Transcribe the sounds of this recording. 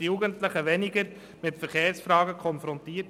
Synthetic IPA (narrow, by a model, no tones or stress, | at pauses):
ijuːɡəntləχəʋɛnɪɡəɾ | mɪtfəɾχeːɾsfɾɑːɡəkʰɔnfɾɔntiːt